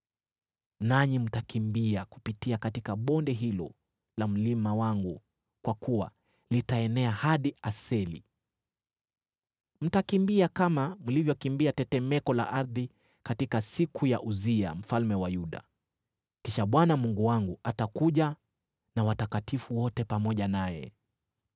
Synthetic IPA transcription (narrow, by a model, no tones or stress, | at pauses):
naɲim̩takimbiakupitiakatikaɓɔndɛɦilɔ̰ | lam̩limawaŋɡu | kwakuwa̰ | litaɛnɛahaɗiasɛlḭ | m̩takimbiakamamulivjɔkimbiatɛtɛmɛkɔla̰ʔaɾði | katikasikʰujaʔuzia̰m̩falmɛwajuɗa̰ | kiʃaɓwanamuŋɡuwaŋɡuatakuʄa | nawatakatifuwɔtɛpamɔʄanajɛ̰